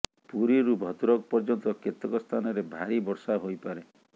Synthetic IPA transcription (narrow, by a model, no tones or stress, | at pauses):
puɾiɾubʱɔt̪uɾɔk̚pɔɾd͡ʒɔnt̪ɔket̪ɔkɔst̪ʰanɔɾebʱaɾibɔɾsaɦojpaɾe